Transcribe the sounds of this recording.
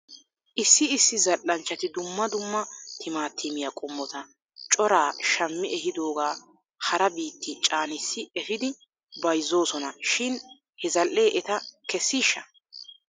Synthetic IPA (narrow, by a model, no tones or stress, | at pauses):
ʔɪsːɪɪsːɪzɐlːɐnt͡ʃːɐt̪ɪd̪ʊmːɐd̪ʊmːɐt̪ʰɪmaːt̪ʰːɪmɪjɐkʼʊmːɔt̪ɐ | t͡ʃʼɔɾaːʃɐmːɪʔɛhɪd̪o̞ːɡaː | hɐɾɐbiːt̪ːɪt͡ʃʼaːnɪsːɪɛhɪd̪ɪ | bɐjzːo̞ːsɔnɐʃɪn | hɛzɐlːe̞ːʔɛt̪ɐkɛsːiːʃːɐ